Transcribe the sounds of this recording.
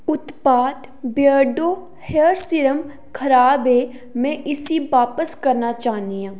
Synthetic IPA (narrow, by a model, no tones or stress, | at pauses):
ʊt̪paːt̪ | bjəɖoː | heːɾsɪɾəm | kʰəɾaːbe | mɛ̃ʔɪsiʋaːpəskɐɾnat͡ʃaːɦnijãː